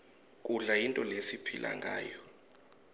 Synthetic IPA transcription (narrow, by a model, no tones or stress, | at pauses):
kʼuɮajintʼɔlesipʰilʔa̰ŋɡʱaːjɔ